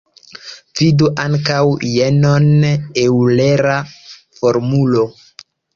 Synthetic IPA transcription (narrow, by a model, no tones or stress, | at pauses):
viduʔaŋkawjenonewle̞ɾa | fo̞ɾmulo